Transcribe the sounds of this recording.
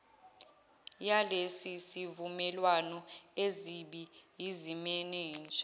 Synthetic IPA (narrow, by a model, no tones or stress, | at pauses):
jalesisivumɛlwanɔeziɓijizimɛnɛːnd͡ʒʱʼa